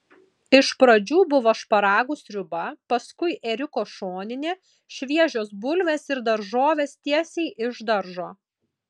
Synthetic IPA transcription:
ɪʃpɾɐd͡ʒʲuːbʊʋɐʃpɐɾɑːɡʊsɾʲʊbɐpɐskʊɪʔɛɾʲɪkoːʃoːnʲɪnʲeː | ʃʲʋʲiɛʒʲoːsbʊlʲʋʲeːsɪɾd̪ɐɾʒoːʋʲeːst̪ʲiɛsʲɛɪʔɪʒd̪ɐɾʒoː

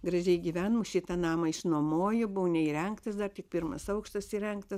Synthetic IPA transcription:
ɡɾɐʒʲɛɪɡʲiʋʲæːnmʊʃʲɪt̪ɐnɑːmɐɪʃnoːmoːjʊbʊʋnʲɛiːɾʲɛŋkt̪ɐsd̪ɐrt̪ʲɪk̚pʲɪrmɐ̰sɐʊkʃt̪ɐsiːɾʲɛŋkt̪ɐ

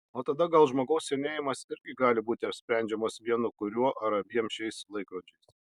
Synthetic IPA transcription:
oːt̪ɐd̪ɐɡɐlˠʒmoːɡɐʊsʲsʲɛnʲeːjɪmɐsɪɾʲɡʲɪɡɑːlʲɪbuːt̪ʲɪɐpʲsʲpʲɾʲɛˑnʲd͡ʒʲɛmɐsʋʲiɛnʊkʊɾʲuɔʔɐɾɐbʲiɛmʃʲɛɪslˠɐɪkɾoːd͡ʒʲɛɪs

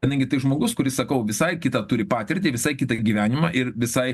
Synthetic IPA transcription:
ɐd̪ɐŋʲɡʲɪt̪ɐɪʒmoːɡʊskʊɾʲɪsɐkɐʊʋʲɪsɐɪkʲɪt̪ɐt̪ʊːɾʲɪpɑːt̪ʲɪɾʲt̪ʲɪːʋʲɪsɐɪkʲɪt̪ɐɡʲiːʋʲæːnʲɪmɑːʔɪɾʋʲɪsɐɪ

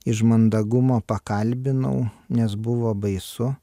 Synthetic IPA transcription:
ɪʃmɐnd̪ɐɡʊmoːpɐkɐlʲbʲɪnɐ̰ʊ | nʲɛsbʊʋoːbɐɪsʊ

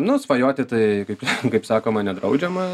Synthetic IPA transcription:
nʊsʋɐjoːt̪ʲɪt̪ɐɪkɐɪpkɐɪpsɑːkoːmɐnʲɛd̪ɾɐʊd͡ʒʲɛmɐ

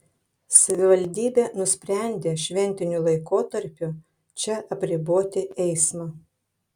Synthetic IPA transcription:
sɐʋʲɪʋɐlʲd̪ʲiːbʲeːnʊsʲpʲɾʲɛˑnʲd̪ʲeːʃʲʋʲɛnʲt̪ʲɪnʲʊlˠɐɪkoːt̪ɐɾʲpʲʊ | t͡ʃʲɛʔɐpʲɾʲɪboːt̪ʲɪɛɪsmɐː

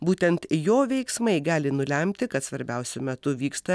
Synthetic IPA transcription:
buːt̪ʲɛnt̪joːʋʲɛɪksmɐɪɡɑːlʲɪnʊlʲɛmʲt̪ʲɪkɐt̪sʋɐɾʲbʲɛʊsʲʊmʲɛt̪ʊʋʲiːkst̪ɐ

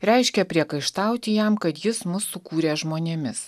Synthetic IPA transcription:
ɾʲɛɪʃʲkʲɛpʲɾʲiɛkɐɪʃt̪ɑˑʊt̪ʲɪjɛmkɐt̪jɪsmʊsːʊkuːɾʲeːʒmoːnʲeːmʲɪs

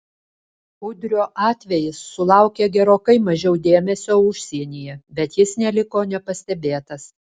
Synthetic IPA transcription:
ʊd̪ʲɾʲoːʔɑːt̪ʲʋʲɛjɪsːʊlˠɑˑʊkʲeːɡʲɛɾoːkɐɪmɐʒʲɛʊd̪ʲeːmʲɛsʲoːʊʃʲsʲiɛnʲijɛbʲɛt̪jɪsnʲɛlʲɪkoːnʲɛpɐsʲt̪ʲɛbʲeːt̪ɐs

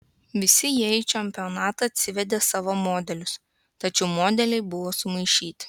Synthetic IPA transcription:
ʋʲɪsʲɪjiɛit͡ʃʲɛmʲpʲɪonɑːt̪ɐɐt̪ʲsʲɪʋʲɛd̪ʲeːsɑːʋoːmoːd̪ʲɛlʲʊs | t̪ɐt͡ʃʲɛʊmoːd̪ʲɛlʲɛɪbʊʋoːsʊmɐɪʃʲiːt̪ʲɪ̥

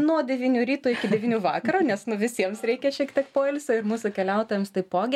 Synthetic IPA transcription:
nuɔd̪ʲɛʋʲiːnʲuːɾʲiːt̪uɪkʲɪd̪ʲɛʋʲiːnʲuːʋɑːkɐɾuːnʲɛsnʊʋʲɪsʲiɛmsɾʲɛɪkʲɛʃʲiɛkt̪ʲiɛkpoːɪlʲsʲoːɪrmuːsʊːkʲɛlʲɛʊt̪oːjɛmst̪ɐɪpoːɡʲ

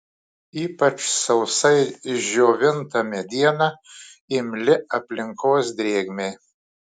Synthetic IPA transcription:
iːpɐt͡ʃsɐʊsɐɪʒʲoːʋʲɪnt̪ɐmʲɛd̪ʲiɛnɐ | ɪmʲlʲɪɐpʲlʲɪŋkoːsd̪ʲɾʲeːɡʲmʲej

